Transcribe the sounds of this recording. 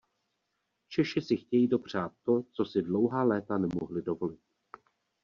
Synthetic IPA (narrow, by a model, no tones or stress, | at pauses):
t͡ʃɛʃɪsɪxcɛjiːdo̞pr̝̥aːt̪̚ːo̞t͡so̞sɪdlo̞wɦaːlɛːt̪anɛmoɦlɪdo̞vo̞lɪt̪̚